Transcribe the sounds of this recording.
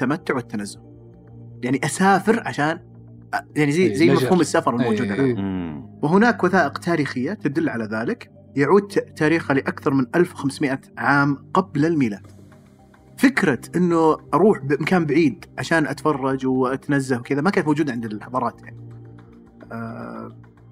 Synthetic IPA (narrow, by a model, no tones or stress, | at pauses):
t̪ːamat̪ːʊʕwɪt̪ːanazːʊ | jaʕniʔasaːfɪɾʕaʃaːn | jaʕnizajːzajːmafhuːmɪsːafɑɾˤɪlmowd͡ʒuːd̪aa | wɪɦʊnaːkwaθaːʔɪqt̪ʰaːɾiːxɪjːat̪ad̪ʊlːʕalaðaːlɪk | jaʕuːd̪̚t̪ːaːɾiːxalɪʔakθɑɾˤmɪnʔalfwxamsmɪʔaʕaːmqablalmiːlaːd̪̥ | fɪkɾɑʔɪnːʊʔɑɾˤuːħbɪʔɪmkaːmbaʕiːd̪ʕaʃaːnʔat̪fɑrˤːɑd͡ʒwʔat̪nazːahwkɪðamakant̪mowd͡ʒuːd̪ʕɪnd̪ɪlħɑðˤɑːɾˤɑːt̪jaʕni